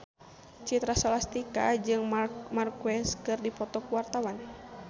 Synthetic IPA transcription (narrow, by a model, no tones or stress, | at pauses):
t͡ʃit̪ɾasɔlast̪ikad͡ʒɨŋmarkwɛskɨrdipɔt̪ɔkuwart̪awan